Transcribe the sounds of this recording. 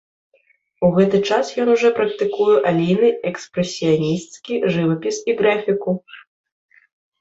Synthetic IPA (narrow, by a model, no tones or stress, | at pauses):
uɣɛt̪ɨt͡ʂasjɔnuʐɛpɾɐk̚t̪ɨkujɛʔalʲijnɨɛkspɾɛsʲːijanʲist̪skʲiʐɨvɐpʲisiɣɾafʲiku